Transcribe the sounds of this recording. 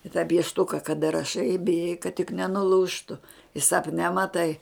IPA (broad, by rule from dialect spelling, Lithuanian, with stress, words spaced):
ɪ tɑː pʲiɛʃˈtʊkɐ kɐˈdɐ rɐˈʃɐɪ ɪ bʲɪˈjɛɪ kɐt tʲɪk nʲɛnʊˈlˠuːʃtʊ ɪ sɐpʲˈnʲɛ mɐˈtɐɪ